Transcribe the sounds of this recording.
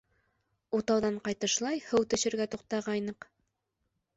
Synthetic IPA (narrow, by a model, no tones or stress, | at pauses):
ut̪ɑwðɑɴqɑjt̪ɤ̆ʃlˠɑjhɘwt̪ɵ̆ɕɘ̆ɾɡæt̪uqt̪ɑʁɑjnɤq